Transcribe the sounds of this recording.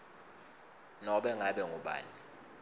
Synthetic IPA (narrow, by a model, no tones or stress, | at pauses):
nɔɓɛŋaɓɛŋʱuɓa̰ːni